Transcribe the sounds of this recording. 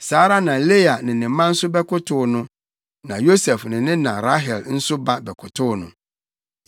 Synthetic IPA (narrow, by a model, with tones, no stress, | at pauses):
saː˨˦ɾa˦nã˨le˦a˨nɪ̃˨nɪ̃˨˦mã˦n̩˦sʊ˦bɛ˦kʰʊ˦tʰʊ˦nʊ̃˦ | nã˨jo˦sɛ˨fnɪ̃˨nɪ̃˦nã˨ɾa˦ɦɛ˨ln̩˦sʊ˦ba˦bɛ˨kʰʊ˨tʰʊ˦nʊ̰̃˨